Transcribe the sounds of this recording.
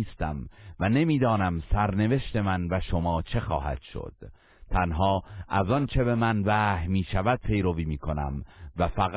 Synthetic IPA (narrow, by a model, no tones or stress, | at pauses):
st̪æmvæne̞miːd̪ɒːnæmsæɾne̞veʃt̪e̞mænvæʃomɒːt͡ʃʰe̞xɒ̰ːhæ̰d̪̥ʃo̰d̪̥ | t̪ʰænɦɒːʔæzɒnt͡ʃʰebe̞mænvæːhmiːʃævæd̪̥̚pʰe̞jɾo̞viːmiːkʰo̞næ̰mvæfæɣ